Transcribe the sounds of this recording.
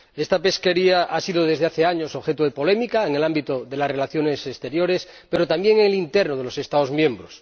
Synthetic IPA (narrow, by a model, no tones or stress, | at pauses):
est̪ape̞ske̞ɾiaʔasiðoð̞e̞zðeaθeaɲosoxet̪oð̞epo̞lemikaeŋelambit̪oðe̞lasre̞laθjo̞nesest̪e̞ɾjoɾespeɾot̪ambjeŋeŋelint̪eɾnoð̞elo̞se̞st̪aozmjẽ̞mbɾos